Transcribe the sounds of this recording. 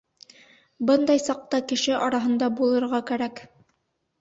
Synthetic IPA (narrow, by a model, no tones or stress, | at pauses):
bɤnd̪ɑjsɑq̚t̪ɑkɘ̆ʃɘʔɑɾɑɦɤ̆nd̪ɑbulˠɤ̆ɾʁɑkæɾæk